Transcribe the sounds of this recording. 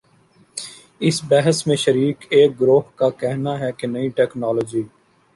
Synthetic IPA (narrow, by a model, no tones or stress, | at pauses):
ɪsbɛɦəsmẽʃəɾiːkeːk̚ɡɾoːɦkakɛɦnaɦɛkenəiʈɛːknaːloːd͡ʒiː